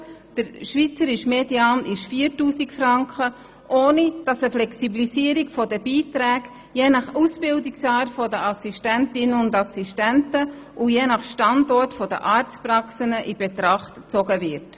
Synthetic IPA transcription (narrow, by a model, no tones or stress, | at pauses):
d̥əɾʃvit͡səɾɪʃmediaːnɪʃfiːəɾtuːsikfrɑŋkχə | ʔoːnid̥ɑsəflɛksiblisiːəɾikfɔdəbiːtɾæːɡ | jeːnɑχusbɪldiksɑːɾfɔdəʔɑsistæntɪnəʊndɑsiʃtæntə | ʔujeːnɑχʃtɑndɔrtfɔdə̰ʔɑːɾt͡sprɑksənəʔibetɾɑχtt͡sɔɡəvɪɾt